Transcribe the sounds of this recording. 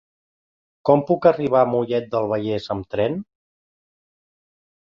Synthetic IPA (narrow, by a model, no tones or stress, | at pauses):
kɔmpukəriβ̞amuʎɛt̪̚d̪əlˠβ̞əʎɛzəmt̪ɾɛn